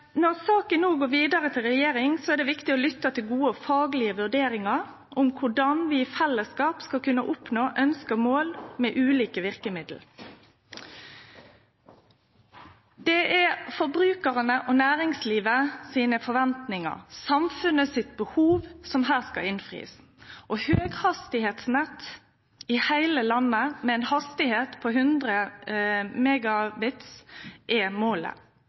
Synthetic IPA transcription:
nɔʁsɑːkənːuːɡoːɾʋiːd̪ɑʁət̪ʰɪlʁɛjeːɾɪŋsɔɛʁɖ̪ɛʋɪkt̪ɪɔlʏt̪ːət̪ʰɪlɡuːəɔfɑːɡlɪəʋʉɖ̪eːɾɪŋɑɾ | ʔʊmkʰʊɖɑnʋiːfɛlːəskɑːpskɑlkʉnəʔʊpnoːʔœnskəmoːlmɛːʔʉːliːkəʋɪʁkəmɪd̪l̩ | d̪ɛʔɛfɔbʁʉːkəʁənəʔɔnæːʁɪŋsliːʋəsiːnəfɔʋɛnt̪nɪŋə̰ʁsɑmfʉnəsɪt̪bəhuːʋsɔmɦæːʁskɑɪnfʁḭːs | ʔɔhøːɡhɑst̪ɪheːt̪snɛt̪ː | ɪhæɪləlɑnːəmɛɛnhɑst̪ɪheːt̪pʰɔhʉnd̪ʁə | mɛːɡɑbɪt̪sʔɛmoːlə̰

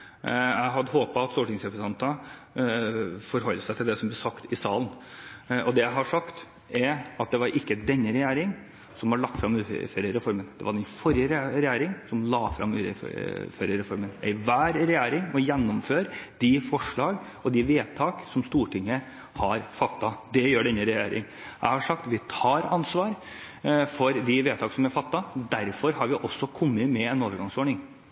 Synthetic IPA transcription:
jæɪɦɑd̪əɦoːpɑɑt̪st̪uːʈɪŋsɾɛpɾəsɑnt̪ə | fɔɾɦɔlːəsæɪt̪ʰɪld̪ɛsɔmblɛsɑkt̪ɪsɑːlən | ɔd̪ɛjæɪɦɑʂɑkt̪ | ɛɾɑt̪̚d̪ɛʋɑɾʔɪkːəd̪ɛnːəɾɛjæːɾɪŋ | sɔmhɑɭɑk̚t̪fɾɑmʉ̰ːføːɾəɾɛfɔɾmənd̪̥ɛʋɑɖɛnfɔɾjəɾɾɛjæːɾɪŋsɔmlɑːfɾɑ̰mʉ̰ːɾə̰føːɾəɾɛfɔɾmənɛ̰ɪʋæːɾɾɛjæːɾɪŋɔjɛnːɔmføːɾd̪̥ɪfɔʂɭɑːɡ | ɔd̪ɪʋeːt̪ʰɑːksɔmst̪uːʈʰɪŋːə | hɑɾfɑt̪ːɑd̪ɛjøːɖɛnːəɾɛjæːɾɪ̰ŋ | æ̰ɪhɑʂɑkt̪ʋɪt̪ʰɑːɾɑnsʋɑːɾ | fɔɾd̪ɪʋeːt̪ʰɑːksɔmæfɑt̪ːɑd̪æɾfɔɾhɑɾʋɪʔɔsːɔkʰɔmːəmɛɛnoːʋəɾɡɑŋsɔːɳɪŋ

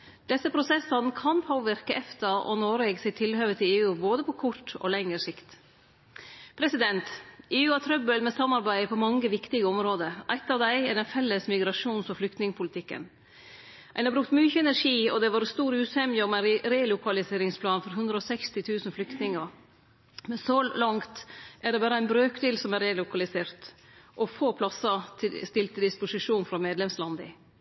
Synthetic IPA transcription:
d̪̥ɛsːəpʰɾʊsɛsɑnkʰɑnpʰoːʋɪɾkəʔɛft̪əʔɔ̰noːɾɛɡsɛɪt̪ʰɪlhøːʋət̪ʰɪleːʉːboːd̪əpʰɔkʰɔʈɔ̰lɛŋəɾʂɪkt̪ | pʰɾɛsɪd̪ɛnt̪eːʉːɑt̪ʰɾœbəlmɛsɑmːɑɾbæɪpʰɔmɑŋːəʋɪkt̪ɪɡəɔmɾoːd̪əʔæɪt̪ːɑːʋd̪æɪɛɖɛnfɛlːəsmɪɡɾɑʂuːnsɔflʏkt̪nɪŋəpʰʊlɪt̪ʰɪkːə̰n | ʔæɪnhɑbɾʉkt̪myːçəɛnæɾʂiːɔd̪ɛʋɑːɾst̪uːɾʉːt̪hɛmjəɔmæɪɾeːlʊkʰɑlɪseːɾɪŋspʰlɑːnfɔɾɦʉnd̪ɾəɔsɛkst̪ɪt̪ʰʉːsən̩flʏkt̪nɪŋəɾ | mɛnsɔlɑŋt̪ʔæɖɛbɑːɾəæɪnbɾøːkd̪eːlsɔmæɾelʊkɑlɪseːɾt̪ | ʔɔfoːpʰlɑsːɑt̪ʰɪst̪ɪlt̪ʰːəd̪ɪspʊsɪʂuːnfɾɑmeːd̪lɛmslɑnd̪ɪ̰

